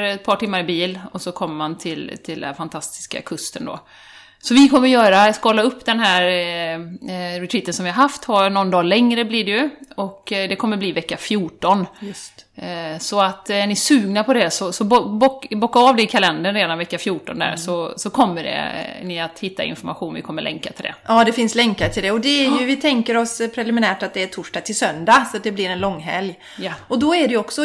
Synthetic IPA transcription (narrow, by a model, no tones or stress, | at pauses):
ɛt̪̚pʰɑːʈɪmːaɾɪbiːlɔsɔkʰɔmːəmant̪ʰɪlt̪ʰɪld̪ɛfant̪ʰast̪ɪ̥ska̰kʰɵst̪ənd̪ɔ̰ | sɔvɪkʰɔmːəɾjœːɾaskːɔlaɵpːd̪ɛnɦæːɾ | ɾɛt̪ʰɾiːt̪ːənsɔmvɪhaɾɦaft̪haɾnɔnd̪ɑːlɛŋɾəbliːɖɛjɵɔkd̪ɛkʰɔmːəɾbliːvɛkːafjuːʈɔn | sɔat̪æɳɪsʉ̟ːɡnapʰɔd̪ɛsɔsɔbbɔkbɔkːaɑːvd̪ɛɪkʰalɛnd̪ənɾeːd̪anvɛkːafjuːʈɔnd̪æ̰ɾsɔsɔkʰɔmːəɖɛ̰nɪat̪hɪt̪ːa̰ɪ̰nfɔɾmaɧuːnvɪ̰kʰɔmːəɭlʔɛ̰ŋkat̪ʰɪld̪ɛ̰ʔɑːd̪ɛfɪnslɛŋkat̪ʰɪld̪ɛɔd̪ɛæɾjɵvɪt̪ʰɛŋkəɾɔspʰɾɛlɪmɪnæːʈat̪̚d̪ɛːʈʰʊʂʈɑːɡ̚t̪ʰɪlsœnd̪asɔat̪̚d̪ɛblɪɾɛnlɔŋːɦɛ̰lj | jaɔd̪ɔæɖɛjɔksɔ